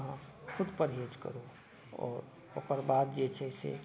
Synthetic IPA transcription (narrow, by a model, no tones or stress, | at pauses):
ɦãkʰʊd̪pəɾɦod͡ʒkə̰ɾu | ɔ̰ːɾ | o̰ːkəɾbaːt̪̚d͡ʒet͡ʃʰɛsḛ